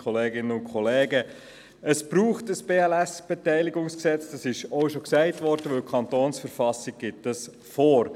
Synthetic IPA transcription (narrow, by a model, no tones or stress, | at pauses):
χɔleːɡɪnəʊnkχɔleːɡə | əsb̥ɾuːχtəsb̥eːɛlæsb̥ɛtæɪliɡʊŋsksɛt͡sd̥ɑsɪʃɔʊʃoksæɪtʋɔːɾd̥əʋɵlkʰɑntoːnsfəɾfɑsiɡ̚ɡ̥ɪtːəs | foːɾ